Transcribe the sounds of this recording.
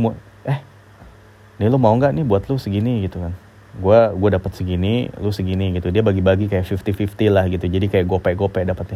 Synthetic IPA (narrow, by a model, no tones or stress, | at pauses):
mu | ɛh | nilumauŋɡaʔnɪhbuat̪lusəɡiniɡit̪ukan | ɡuaɡuadapət̪̚səɡinilusəɡiniɡit̪udiabaɡibaɡikajaʔfift̪ifift̪ilahɡit̪ud͡ʒadikajaʔɡuapaʔɡuapadapət̪̚ɲa